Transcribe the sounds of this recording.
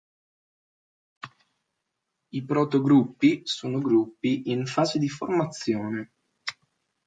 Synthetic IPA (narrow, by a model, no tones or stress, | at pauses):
ipɾɔt̪oɡɾupːisoːnoɡɾupːiʔinfaːzed̪iformat̪sːjoːne